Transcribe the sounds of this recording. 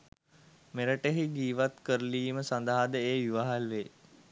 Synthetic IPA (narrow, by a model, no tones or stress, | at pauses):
meɾəʈeɦiɡiːʋat̪kəɾəliːməsand̪aɦad̪əeːjuʋaɦalʋeː